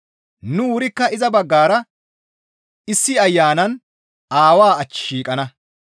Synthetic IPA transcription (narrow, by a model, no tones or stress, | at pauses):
nʊwʊɾɪkːɐɪzɐbɐɡːaːɾɐ | ɪsːɪɐjːaːnɐn | aːwaːɐt͡ʃːʃiːkʼɐnɐ